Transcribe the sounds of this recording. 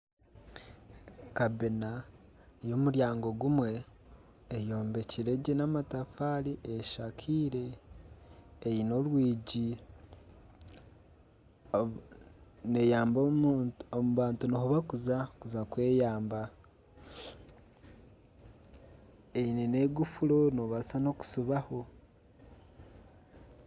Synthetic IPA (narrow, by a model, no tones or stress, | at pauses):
kabena | jo̞muɾjaːŋɡo̞ɡumwe̞ː | jo̞ːmbe̞ciɾe̞ɟenamatafaːɾiʔeʃakʰiːɾe̞ | jino̞lwiːɟi | nejaːmboomuβaːntunohuβakuzakuzakwe̞ːjaːmba | einene̞ːɡufuɾo̞noβasano̞ku̥suβaho̞